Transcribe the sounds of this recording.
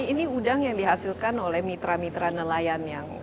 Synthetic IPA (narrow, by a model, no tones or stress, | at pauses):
iniudaŋjaŋdiɦasilkanolɛhmit̪ɾamit̪ɾanəlajanjaŋ